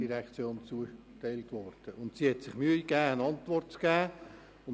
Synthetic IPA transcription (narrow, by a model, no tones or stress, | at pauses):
iɾɛkt͡sjoːnt͡suə | tæɪltʋɔrd̥əʊntsiːhɛtsɪχmyəikæːənɑnt̪ʋɔrtt͡sɡ̥æː | ʊn